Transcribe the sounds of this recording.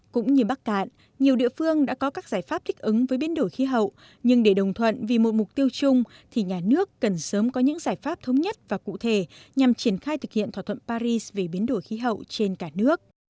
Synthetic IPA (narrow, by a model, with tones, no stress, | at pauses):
kʊ̰˧˥ŋ͡mɲɨ˧ɓaː˦˥k̚ːa̰ː˧˨n | ɲi˨˩əwɗḭ˧˨əfɨ˧əŋɗa̰ː˧˥kɔ˨˦kaː˦˥k̚z̥aː˧˩jfaː˦˥p̚t̪ʰi˦˥k̟̚ʔɨ˨˦ŋvəː˨˦jɓi˨˦ənɗo˧˩jxi˨˦ɦə̰˧˨w | ɲɨ˧ŋɗe˧˩ɗə˨˩wŋ͡mt̪ʰwə̰˧˨nvi˨˩mo˨˩t̚mʊ˨˩k͡p̚t̪i˧əwt͡ɕʊ˧ŋ͡m | t̪ʰi˨˩ɲaː˨˩nɨ˦˥əkːə˨˩nsəː˨˦mkɔ˨˦ɲɨ̰˧˥ŋzaː˧˩jfaː˦˥p̚t̪ʰə˨˦wŋ͡mɲə˦˥t̚vaː˨˩kṵ˧˨t̪ʰe˧˩ɲa˨˩mt͡ɕi˧˩ənxaː˧jt̪ʰɨ˨˩k̚hḭ˧˨ənt̪ʰwaː˧˩t̪ʰə˧˨npaː˧ɾi˧sve˨˩ɓi˨˦ənɗo˧˩jxi˨˦ɦə̰˧˨wt͡ɕe˧nkaː˧˩nɨ˦˥ək̚